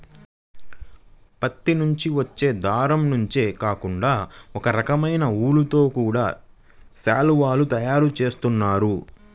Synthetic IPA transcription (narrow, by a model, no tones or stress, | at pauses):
pɐt̪ːinuɲt͡ʃiʋɐt͡ʃːe̞ːd̪ʱaːɾɐmnuɲt͡ʃeːkaːkuɳɖaːɔkɐɾɐkɐmɐjnɐuːlut̪o̞ːkuːɽaː | ʃaːluʋaːlut̪ɐjaːɾut͡ʃe̞ːst̪unːaːɾu